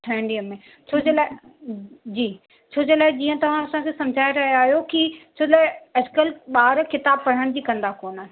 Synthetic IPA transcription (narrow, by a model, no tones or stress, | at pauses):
ɪ̃ɳɖiəːẽ | t͡ɕʰoːd͡ʑelaː | d͡ʑiː | t͡ɕʰoːd͡ʑelaːɪd͡ʑiːə̃t̪ɐʋ̤ãɐsãkʰesɐ̃md͡ʑʱaːɪɾɐɦjaːɦijokit͡ɕʰoːd͡ʑlaːɪɐd͡ʑkəlɓaːɾkɪt̪aːb̚kɐɽ̤əɽ̃d͡ʑiːkɐ̃nd̪akoːnaː